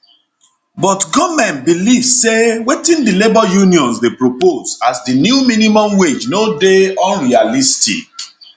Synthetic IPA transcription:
bɔtɡɔmɛ̃nt̚bilivssewetĩndilebɔjuniɔ̃nsdepɹoposasdinjuminimɔ̃mwed͡ʒnodeɔ̃nɹialistḭk̚

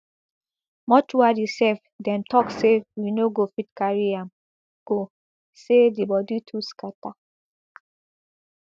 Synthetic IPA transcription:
mɔtuadisɛf | dɛ̃ntɔksewinoɡofitkaɹiãm | ɡ̥o | sedibɔditʰuskata

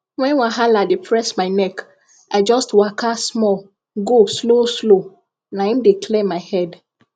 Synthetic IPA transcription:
wɛ̃nwaɦaladepʰɹɛsmaɪnɛk | aɪd͡ʒɔstwakasmɔl | ɡosloslo | nahĩmdekʰlemaɪhɛd

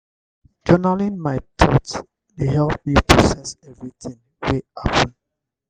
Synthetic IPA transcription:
d͡ʒɔnalĩnmaɪtʰɔt | deɦɛlp̚mipɹɔsɛsɛvɹit̪ʰĩŋ | weapə̃n

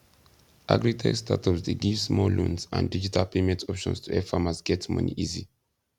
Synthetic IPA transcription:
ʔa̰ɡɹitʰɛ̰stʰatʰɔpsdeɡivsmɔlũnsã̰ndid͡ʒitʰalpemɛ̃ntʰɔpʃɔ̰̃nstʰuɛfamasɡɛtmʌ̰nḭʔizi

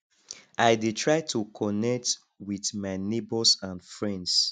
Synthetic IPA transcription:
ʔajditʰɹaɪtʰukʰɔnɛk̚t | wiθmaɪnebɔsãnfɹɛ̃nds

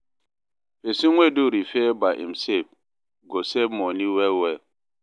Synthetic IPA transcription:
fesiŋʷweduɾifebaʔḭmsep̚ | ɡosebmoniwɛwɛ

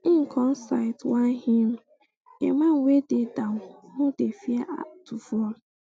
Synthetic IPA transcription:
ĩŋ̩kʰɔ̃n̩saɪtwãnhim | emãwededawhũdefiaʔa̰tufɔl

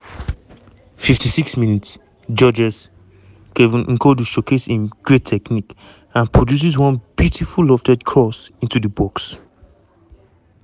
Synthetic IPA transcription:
fiftʰisiksmĩnits | d͡ʒɔd͡ʒɛs | kevĩnŋ̩koduʃoketsĩnɡ̥ɹetʰɛknik | ãnpɹɔdjus̬is̬wɔ̃nbjutʰifullɔftɛdkʰɔsĩntudəbɔks

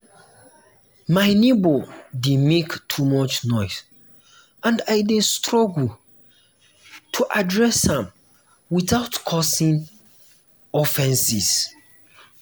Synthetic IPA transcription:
majnebodimektʰumɔt͡ʃnɔɪs | ãndajdestɹɔɡl | tʰuʔadɹɛshãm | wiθaʊtkʰɔsĩn | ɔfɛ̃nsis

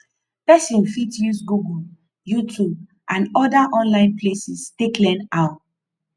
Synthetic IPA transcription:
pɛsĩnfitjusɡuɡul | jutʰub̚ | ʔãnɔdaʔɔ̃nlãɪ̃nplesisteklɛ̃naʊ

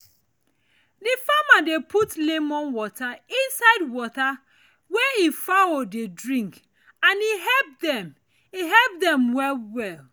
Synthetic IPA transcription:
difamadepʰutlemɔ̃nwɔtaĩnsaɪdwɔta | wɛifawodedɹĩŋk | ãniɦɛp̚dɛm | iɦɛlp̚dɛ̃mwɛlwɛl

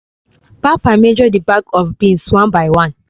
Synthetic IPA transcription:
b̥afamed͡ʒɔdibakɔfbĩnswãnbaɪwãn

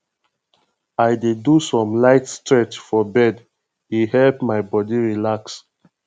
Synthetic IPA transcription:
ajdedusɔ̃mlaɪtstɹɛt͡ʃfɔbɛd | ihɛlpmajbɔdiɹilaks

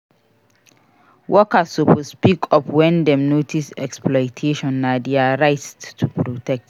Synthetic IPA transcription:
wʔɔkasupʰɔspikʰɔpwɛ̃ndɛ̃mnotʰisɛ̰ksplɔjtʰeʃɔ̃nːadeaɹaɪtttʰupʰɹotʰɛk̚t

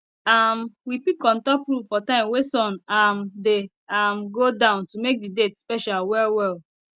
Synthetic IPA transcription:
amwipikɔ̃ntɔpɹufɔtãɪ̃mwesɔ̃namde | amɡodãʊ̃ntumek̚didetspɛʃalwɛlwɛl

